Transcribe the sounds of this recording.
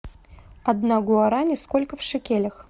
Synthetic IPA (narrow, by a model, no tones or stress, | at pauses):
ɐd̪naɡʊaɾanʲɪskolʲkəfʂɨkʲelʲəx